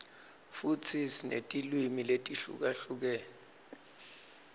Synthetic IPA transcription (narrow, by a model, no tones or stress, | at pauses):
futʰisinḛtʼilwimiletʼiɬṵk̬aɬuk̬ɛːnɛ